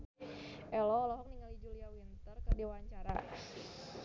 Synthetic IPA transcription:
ʔɛlɔːlɔɦɔk̚niŋalid͡ʒuliawint̪ərkərdiwaɲt͡ʃaɾa̰

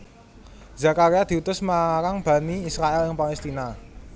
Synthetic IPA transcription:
zakaɾiad̪̥iut̪ʊsmaɾaŋb̥a̤niːsɾaʔɛlɪŋpalɛst̪ina

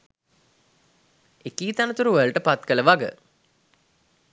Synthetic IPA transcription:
ekiːt̪anət̪uɾuʋəəlʈəpat̪kələʋaɡə̰

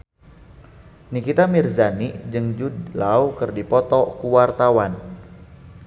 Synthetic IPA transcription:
nikit̪amirzanid͡ʒɨŋd͡ʒudlawkɨrdipɔt̪ɔkuwart̪awan

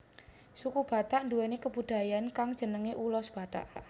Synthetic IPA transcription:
sukub̥a̤t̪aʔnduwɛnekəb̥ud̪̥a̤jankaŋd̥d͡ʒ̥ənəŋeʔulɔsb̥a̤t̪a̰ʔ

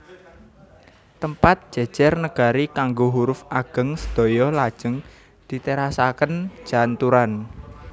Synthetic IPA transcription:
t̪əmpat̪̚d̥ʒ̥ɛ̤̥ʒ̥ɛrnəɡ̥a̤ɾikaŋɡoɦuɾʊfaɡ̥ə̤ŋsəd̪̥o̤jɔlad̥ʒ̥ə̤ŋ | d̪̥i̤t̪eɾasakən̥d͡ʒ̥a̤nt̪uɾan

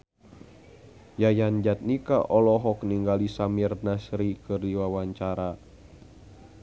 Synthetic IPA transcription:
jajand͡ʒat̪̚nikaʔɔlɔɦɔkniŋɡalisamirnasɾikɨrdiwawaɲt͡ʃaɾa

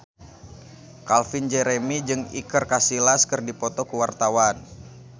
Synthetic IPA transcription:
kalfind͡ʒɛɾemid͡ʒɨŋḭkərkasilaskɨrdipɔt̪ɔkəwart̪awan

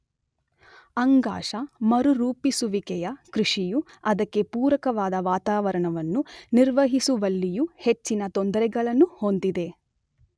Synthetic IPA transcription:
ɐŋɡa̰ːʂɐmɐɾuɾuːpisuʋikɛjɐkɾiʂiju | ɐd̪ɐkːe̞puːɾɐkɐʋaːd̪ɐʋaːt̪aːʋɐɾɐɳɐʋɐnːuniɾʋɐɦisuʋɐlːijuhe̞t͡ʃːinɐt̪ond̪ɐɾɛɡɐɭɐnːuhond̪id̪e̞

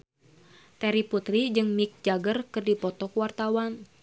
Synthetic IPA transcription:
t̪ɛɾiput̪ɾid͡ʒɨŋmik̚d͡ʒaɡərkɨrdipɔt̪ɔkwart̪awan

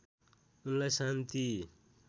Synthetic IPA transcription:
unlajsant̪i

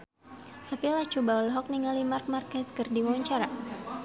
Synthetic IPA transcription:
səpilat͡ʃubaɔlɦɔk̚niŋalimark̚markɛskɨrdiwaɲt͡ʃaɾa

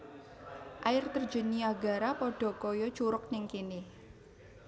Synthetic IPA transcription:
ʔaɪrt̪ər̥d͡ʒə̤niaɡa̤ɾapɔɖ̥ɔ̤kɔjɔt͡ʃuɾʊk̚nɪŋkinɪh

